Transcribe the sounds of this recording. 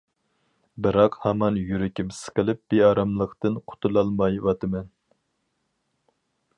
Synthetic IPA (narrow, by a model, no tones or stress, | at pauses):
bɨɾɑqhɑmɑnjyɾɪkʲʰimsɨ̥qʰəlˠɨp̚b̥eɑːɾɑmlˠəqt̪ɨnqʰʊ̥t̪ʰulˠɑlˠmɑjwɑt̪ʰɨmɛn